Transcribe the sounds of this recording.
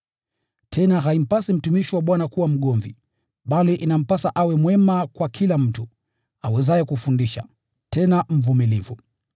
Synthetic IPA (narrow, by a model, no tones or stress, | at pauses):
tʰɛnaɦaim̩pasim̩tumiʃiwaɓwanakuwam̩ɠɔɱvḭ | ɓaliʔinam̩pasaʔawɛmwɛmakwakʰilam̩tu | awɛzajɛkufundiʃa̰ | tɛnam̩vumilivu